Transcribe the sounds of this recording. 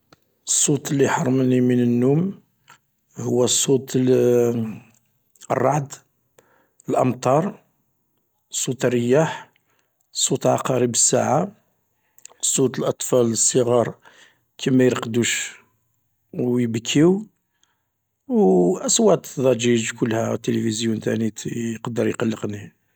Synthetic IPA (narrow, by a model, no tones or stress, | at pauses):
əsˤːut̪əlːiħɑɾˤːmnimənənːum | hʊwːæsˤːut̪ | ə̰rˤːɑʕd̪ | əlʔɑmt̪ˤɑɾˤ | sˤːut̪ərːəjːaħ | sˤːut̪əlʕɑ̰qɑɾibəsːaʕa | sˤːut̪əlʔɑt̪ˤfɑləsˤːəɣɑɾˤ | kʰimæjɾqd̪uʃ | wjəbkʰːiw | wʔəswæt̪ðˤɑd͡ʒid͡ʒkʊlːhæt̪ːelifizjunt̪æ̰nit̪qɑd̪əɾjqɑlːəqni